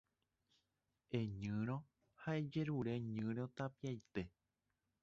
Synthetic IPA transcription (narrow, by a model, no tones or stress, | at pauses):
e̞ɲɨ̃ɾ̃õ̞ | haed͡ʒe̞ɾuɾe̞ɲɨ̃ɾ̃õ̞t̪apiajt̪e̞